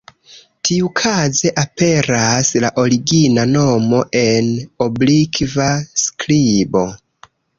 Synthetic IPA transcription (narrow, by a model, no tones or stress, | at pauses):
tʰiukʰaze̞ʔape̞ɾaslaʔo̞ɾiɡinano̞mo̞ʔe̞no̞blikvasklibo̞